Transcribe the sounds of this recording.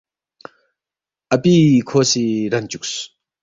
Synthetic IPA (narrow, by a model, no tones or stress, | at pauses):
ʔapikʰosiɾant͡ɕuk̚s